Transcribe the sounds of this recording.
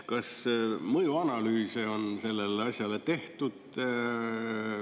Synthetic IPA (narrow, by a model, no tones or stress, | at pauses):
kɑsmɤjuɑnɑlyːseo̞nse̞lːe̞leɑsjɑle̞t̪e̞ht̪ud̪̥